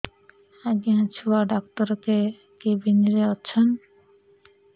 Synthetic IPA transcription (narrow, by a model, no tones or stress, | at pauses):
aɡeãt͡ɕʰuaɖɔk̚t̪ɔɾke | kebiniɾeɔtːɕʰon